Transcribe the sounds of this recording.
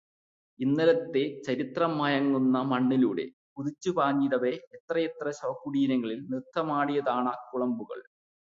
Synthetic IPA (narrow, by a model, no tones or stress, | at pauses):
inːɐɾɐt̪ːe̞t͡ɕɐɾit̪rɐmːɐjɐŋːunːɐmɐɳːiluːɽe̞̰ | puðit͡ɕːupaːɲːiɾɐʋeːt̪rɐjet̪rɐɕɐʋɐkːuɽiːnɐŋːɐɭilnirt̪ʰːɐmaːɽijɐðaːɳɐkuɭɐmbuɣɐ̰ɭ